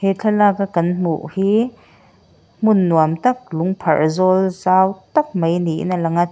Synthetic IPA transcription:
het͡ɬʰɐlaːkakɐnm̥ṵʔhiː | m̥unːuamt̪ɐk̚luŋpʰɐ̰rzɔlzaːwt̪ɐk̚mɐjniʔḭnalɐŋa

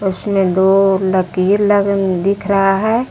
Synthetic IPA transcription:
ʊsmẽd̪oːɾləkiɾləd̪ɪkʰɾəɦaɦɛː

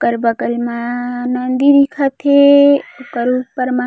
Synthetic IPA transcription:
kəɾbɐkəlmanɐnd̪id̪ikʰat̪ʰeokəɾupɐɾma

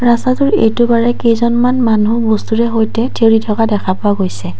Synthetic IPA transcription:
ɹasatʊɹḛjtʊbaɹɛkejzɔnmanmanubɔstuɹɛɦojtɛtʰeɹitʰɔkadɛkʰapʊaɡojsɛ

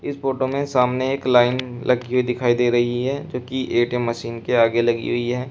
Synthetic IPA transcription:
ɪsfoːʈomẽsaːmneeːklaːɪnlʔɐɡiɦid̪ɪkʰaːid̪eːɾɐɦiɦɛːd͡ʒoːkiʔeːʈemɐʃiːnkeaːɡelɐɡḭɦʊiɦɛː

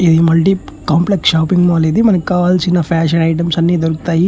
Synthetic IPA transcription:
id̪imɐɭʈikaːmpleksʃaːpiŋɡmuɐleːd̪imɐnɐkikaːʋaːlsinːɐpʰaːʂ̬ɐnɐjʈ̬ɐmsɐnːiːd̪oɾuku̥t̪aːji

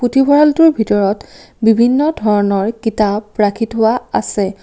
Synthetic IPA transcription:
putʰibʱɔɹaltuɹbʱitɔɹɔt | bibʱinːɔdʱɔɹɔnɔɹkitabɹakʰitɦʊwaa̰sɛ

